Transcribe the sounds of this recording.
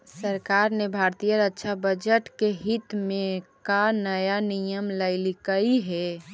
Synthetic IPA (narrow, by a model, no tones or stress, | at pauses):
səɾkaɾnebʱaɾt̪ijəɾəʃʰabəd͡ʒəʈkeɦit̪mẽkanəjanijəmləɪlikəiɦɛ